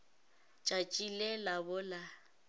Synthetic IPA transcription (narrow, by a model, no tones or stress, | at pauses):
t͡ʃʼat͡ʃʼilɛlabʊla